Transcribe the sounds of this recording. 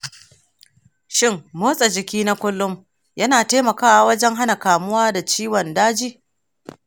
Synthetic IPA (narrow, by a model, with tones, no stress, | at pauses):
ʃɪ˦mːoː˦sʼɐ˨d͡ʒɪ˨kʲiː˦na˦kʷʊ˦lːʊ˦m | jɐ˦naː˨teː˦mɐ˨kaː˦wa˨wɐ˦d͡ʒɛ˦ŋɦa˦na˨kaː˨mʊ˦waː˦da˨t͡ʃiː˦wɔ˨ndaː˦d͡ʒiː˦